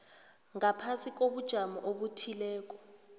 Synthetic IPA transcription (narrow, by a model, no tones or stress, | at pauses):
ŋapʰasik̬ʼoɓud̥ʒ̥ʱamɔʔoɓutʰilɛːk̬ɔ̥